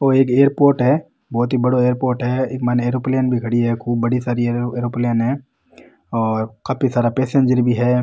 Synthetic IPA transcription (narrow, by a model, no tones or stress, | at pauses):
oːeːkeːəɾpoːɾʈɦɛ | bɔːt̪ɦibɐɽoeːəɾpoːɾʈɦɛeːkmɛːneːɾoːplejənbʱiɡʱɐɽiɦɛkʰuːb̚ːɐɽisaːɾieɾoːplijənɦɛ̃ː | ɔːɾkaːpisaːɾapeːsẽnd͡ʒəɾbʱiɦɛː